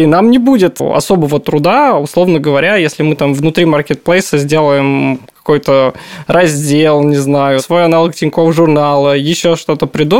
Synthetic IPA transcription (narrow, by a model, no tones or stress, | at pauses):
inamnʲɪbudʲɪt̪ɐ̰so̞bəvət̪ɾʊd̪aʊslˠo̞vnəɡəvɐɾʲajesʲlʲɪmɨt̪amvnʊt̪ɾʲimarkʲɪt̪̚plˠejsəzʲdʲe̞lˠəjɪmkɐ̥ko̞jt̪ərʔɐzʲdʲelˠnʲɪznajʊsvo̞jɐnalˠəktʲɪnʲkovʐʊrnalˠəjɪɕːoʂt̪o̞t̪əpɾʲɪd̪u